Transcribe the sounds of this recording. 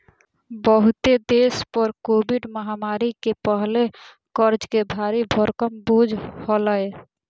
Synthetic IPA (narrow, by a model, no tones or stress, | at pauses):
bəɦut̪ed̪espəɾkobiɖməɦamaɾikepəɦle | kəɾd͡ʒkebʱaɾibʱəɾkəmbud͡ʒʱhɔləj